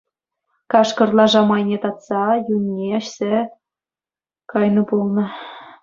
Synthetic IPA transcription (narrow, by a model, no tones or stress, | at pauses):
kɑʃkɤ̆rlˠɑʒɑmɑjnʲet̪ɑt̪t͡sɑjunʲːeɑɕse | kɑjnɤ̆bolˠnɤ̆